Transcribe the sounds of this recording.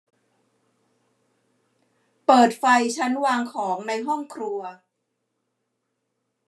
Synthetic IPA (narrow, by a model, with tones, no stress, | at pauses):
pɤː˨˩t̪̚fa˧jt͡ɕʰa˦˥nwaː˧ŋkʰɔː˩˦ŋna˧jɦɔ˥˩ŋkʰɾu˧ɐ